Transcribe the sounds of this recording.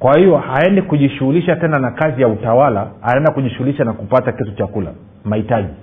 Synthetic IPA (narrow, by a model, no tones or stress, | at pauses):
kwahijɔhaɛndikuʄiʃuhuliʃatɛnanakazijautawalahaɛndakuʄiʃuɣuliʃanakupatakɛtut͡ʃakula̰ | mahitaʄi